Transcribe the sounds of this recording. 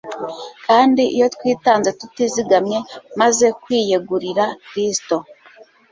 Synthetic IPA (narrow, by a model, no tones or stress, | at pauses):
kaːndiʔijo̞twiːtaːnze̞tutiziɡamɲe̞maze̞kwiːjeɡuɾiɾakɾisto̞